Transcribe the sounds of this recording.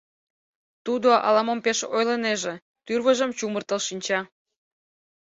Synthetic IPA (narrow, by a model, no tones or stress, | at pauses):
t̪ud̪oʔɑ̰lɑmompeʃojləneʒĕ | t̪yrβəʒə̆mt͡ɕumərt̪ə̆lʃinʲt͡ɕɑ